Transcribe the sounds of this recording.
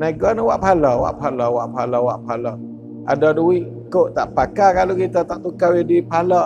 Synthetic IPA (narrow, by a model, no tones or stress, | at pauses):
naɡɔnəwaʔpalɔwa̰ʔpalɔwaʔpalɔwaʔpalɔ | a̰dɔduwiʔ | koʔt̪aʔpakakalukit̪at̪aʔt̪ukawidipalɔ